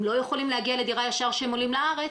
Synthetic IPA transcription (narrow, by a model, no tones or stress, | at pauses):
mlo̞jeχolimleaɡialed̪iʁajaʃaʁʃeemolimlaaʁet͡s